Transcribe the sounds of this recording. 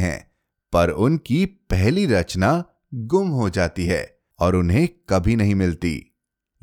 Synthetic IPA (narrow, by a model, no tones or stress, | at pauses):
ɦɛ̰̃ː | pɐɾʊnkipɛɦliɾɐt͡ʃna | ɡʊmɦod͡ʒaːt̪iɦɛ̰ː | ɔːɾʊnɦẽkɐbʱinɐɦĩmɪlt̪ḭː